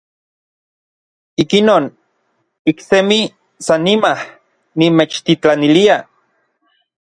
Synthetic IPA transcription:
ikinoːn | iksemi | sanːimah | nimet͡ʃt̪it͡ɬanilia

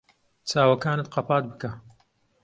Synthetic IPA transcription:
t͡sʰaːwɐkaːnɨt̪̚qɑpaːt̪̚bɨka

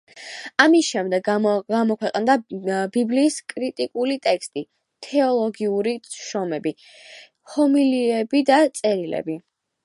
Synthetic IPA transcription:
amisʃɛmd̪ɛɡɡamɔkʰwɛqʼnd̪abibliːskʼɾit̪ʼikʼulit̪ʼɛkst̪ʼi | t̪ʰɛɔlˠɔɡiuɾiʃɔmɛbi | hɔmiliɛbid̪at̪sʼɛɾilɛ̰bi

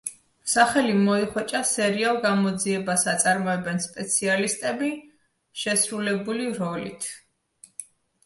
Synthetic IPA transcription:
saχɛlimɔiχwɛt͡ʃʼasɛɾialˠɡamɔd̪ziɛbasat̪sʼaɾmɔɛbɛnspʼɛt̪sʰialist̪ʼɛbi | ʃɛsɾulɛbuliɾɔlḭt̪ʰ

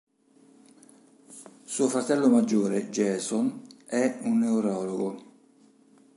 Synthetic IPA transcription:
suːofɾat̪ɛlːomad͡ʒːoːɾed͡ʒɛːsonɛunːeuɾɔːloɡo

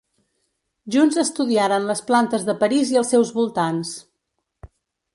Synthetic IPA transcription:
ʒunzəst̪uðiaɾənləsplant̪əzðəpəɾiziəlˠsːɛwzβulˠt̪ans

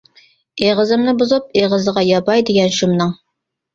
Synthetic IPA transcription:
eʁəzɨmnɨbuzup̚eʁəzəʁɑjɑbɑjd̪ɪɡʲɛnʃumnɨŋ

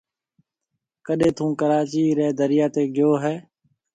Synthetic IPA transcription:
kəɗẽːt̪ʰũːkəɾaːt͡ʃiːɾɛːd̪əɾɪjaːt̪eːɡɪjoːɦɛː

